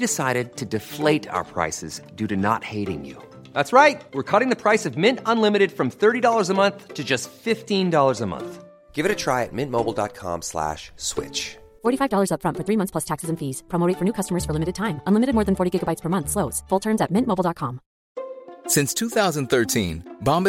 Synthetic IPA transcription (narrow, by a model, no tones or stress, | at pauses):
dɨsaɪɾɨd̚tʰɨdɨfleɪɾa̰ʊə˞pʰɹ̥a̰ɪsɨ̰zdʉɾɨnə̰t̚heɪɾɪ̰̃ŋjʉ̰ | ðætsɹaɪt̚wɨɹkʰʌɾɪ̃ŋðɨpʰɹ̥aɪsʌvmɪ̃ntə̃nlɪ̃mɨɾɨd̥fɹʌ̃mθɜ˞ɾidɔlˠə˞zəmʌ̃nθtʰɨd͡ʒʌstfɪftĩndɔlˠə˞zəmʌ̰̃nθ | ɡ̥ɪvɨɾɨtʰɹ̥aɪɨ̰t̚mɪ̃nmoʊbl̩ˠdɑ̰t̚kʰɑ̰̃mslæ̰ʃswɪ̰t͡ʃ | fɔɹɾifaɪvdɔlˠə˞zʌpfɹʌ̃ntfə˞θɹimʌ̃nθspʰlʌstʰæksɨzɨ̃n̩fiz̥pʰɹ̥omoʊɾɪ̃fə˞nʉkʰʌstəmə˞z̥fə˞lɪ̃mɨɾɨd̚tʰãɪ̃mə̃nlɪmɨɾɨd̚mɔːɹðɨ̃n̩fɔɹɾiɡɪɡəbaɪtspʰə˞mʌ̃nθsloʊtz̥fʊlˠtʰɜ̃˞mzɨt̚mɪ̃nmoʊbl̩ˠdɑt̚kʰɑ̃m | sɪ̃nstʰʉθaʊzə̃nθɜ˞tʰḭ̃nbɑ̃mb